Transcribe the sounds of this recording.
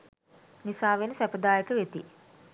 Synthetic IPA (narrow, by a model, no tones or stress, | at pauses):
nisaːʋenəsæpəd̪aːjekəʋet̪i